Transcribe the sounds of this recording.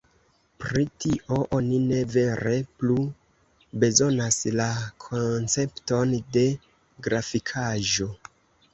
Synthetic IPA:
pɾitiʔo̞ʔo̞nine̞ve̞ɾe̞plu | be̞zo̞naslakʰont͡se̞pto̞nde̞ | ɡɾafikʰaʒo̞

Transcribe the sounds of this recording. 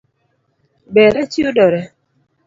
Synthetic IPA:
bɛɾɛt͡ʃiodɔɾɛ

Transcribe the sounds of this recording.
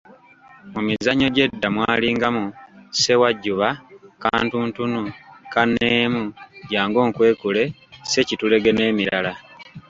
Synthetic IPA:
mumizaɲo̞ɟe̞dːamwaːliːŋɡamuse̞waɟːuβaka̰ːntuːntunukanːeːmuɟaːŋɡo̞ːŋkwe̞ːkule̞se̞citule̞ɡe̞ne̞ːmiɾala

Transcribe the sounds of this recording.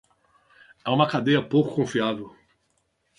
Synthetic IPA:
ɛũmɐkad̪ejɐpowkʊ̥kõfiavew

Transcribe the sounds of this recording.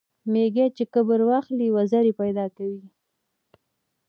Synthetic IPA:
meɡet͡ʃekəbəɾwɑxliwazaɾipajd̪ɑkawi

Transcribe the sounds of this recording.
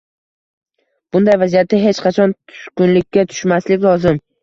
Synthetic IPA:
b̥ʊnd̪ajvazijat̪ːɪɦet͡ʃqʰɑt͡ʃʰɒnt̪ʰʊ̥ʃkʊnlɪkʲːat̪ʰʊ̥ʃmaslɪkʲlˠɒzɪm

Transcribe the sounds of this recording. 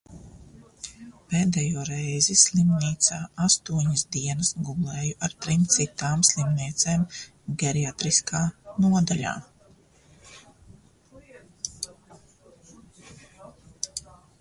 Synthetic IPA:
peːd̪ɛjuːɾɛjzislˠimniːt̪saːast̪uɔɲɐsd̪iɛnsɡublˠɛːjuʔaɾt̪ɾimt̪sit̪aːmslˠimnʲiɛt̪seːm | ɡɛɾiat̪ɾiskʰaːnuɔd̪alʲa̰ː

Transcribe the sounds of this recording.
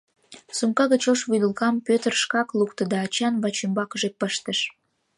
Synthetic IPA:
sumkɑɣət͡ɕoʃβujd̪əlkɑmpøt̪ərʃkɑklukt̪əd̪ɑːt͡ɕɑnβɑt͡ɕembɑkəʒepəʃt̪əʃ

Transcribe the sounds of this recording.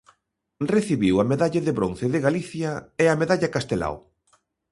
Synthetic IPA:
reθiβiwɐmeðaʎaðeβɾonθeðɪɣaliθjɐeameðaʎɐkast̪ela̰w

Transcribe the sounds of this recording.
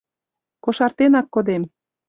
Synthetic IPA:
koʃɑrt̪enɑkːod̪em

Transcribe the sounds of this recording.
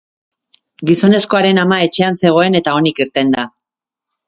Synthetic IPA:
ɡiso̞ne̞sko̞aɾe̞namae̞t͡ʃe̞anse̞ɣ̞o̞e̞ne̞t̪ao̞nikiɾt̪e̞nd̪a

